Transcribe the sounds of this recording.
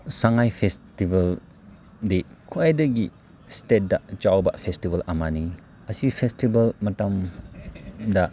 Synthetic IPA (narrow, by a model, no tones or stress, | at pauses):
saŋajpʰestibɐl | dikʰuajdɐɡi | stet̚dɐt͡ʃawbɐ̰pʰestibɐlɐmani | ɐsipʰestibɐlmɐtɐm | dɐ